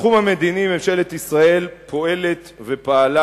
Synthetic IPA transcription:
χumhame̞d̪inimemʃe̞let̪isʁae̞lpʰo̞e̞le̞t̪ve̞paala

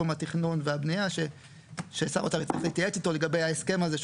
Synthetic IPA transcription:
umhat̪iχnunveabnijaʃe | ʃeːsa̰ʁot̪avitt͡saʁḭχliːt̪jaet͡si̥to̞le̞ɡabejaeske̞mazeʃ

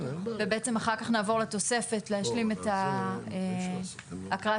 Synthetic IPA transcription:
vebeʔet͡se̞maχaʁkaχnaːvo̞ʁlet̪o̞se̞fe̞tleɦaʃlimetae | akʁaa

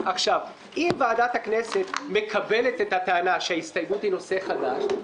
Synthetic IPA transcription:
ʔaχʃav | ʔimvaːdat̪hakne̞se̞t̪me̞kʰabe̞le̞tethat̪aanaʃeaist̪ajmuthino̞se̞χadaʃ

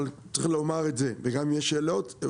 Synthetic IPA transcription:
lt͡s̪ilomaʁetzeveɡamjeʃeːlo̞t̪

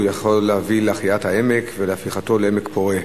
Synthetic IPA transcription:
jaχo̞lːeavileaχiathae̞mekveleafiχat̪o̞leemekpo̞ʁe

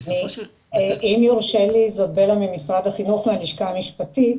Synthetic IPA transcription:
i | ʔimjuʁʃelizodbelamimisʁad̪aχinuχmealiʃkamiʃpati

